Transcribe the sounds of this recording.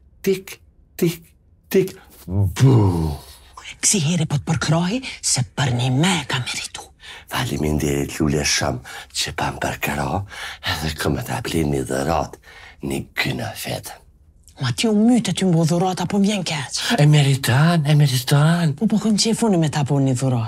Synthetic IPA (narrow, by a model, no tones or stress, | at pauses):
t̪ik | t̪ik | t̪ik | bu | ksiɦɛɾɛpɔt̪̚pəɾkɾɔɦisɛpəɾnimɛkamɛɾit̪u̥ | falimind̪ɛɾilulɛʃɔ̰mt͡ʃəpampəɾkəɾɔɛðɛkʰɔmɛt̪a̰pliniðṵɾɔ̰t̪nikynə̰fɛ̰t̪ɛ | mat̪iɔmyt̪ɛt̪ymbɔðuɾɔt̪apɔmvjɛnkɛsɛmɛɾit̪anamɛɾit̪anpɔpɔkɔnt͡ʃɛfunimɛt̪apɔniðuɾɔt̪